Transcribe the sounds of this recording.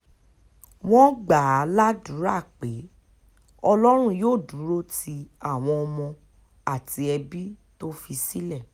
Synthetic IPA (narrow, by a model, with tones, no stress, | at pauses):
w̃ɔ̃˦ɡ͡ba˨a˨˦la˦dũ˨˦ɾa˦˨k͡pe˨˦ | ɔ˧lɔ˦ɾ̃ũ˦joː˦˨dũ˨˦ɾo˦ti˧a˦˨w̃ɔ̃˧ɔ˧mɔ̃˧ | a˦˨ti˧˦ɛ˧bi˦to˦fi˧si˦lɛ˦˨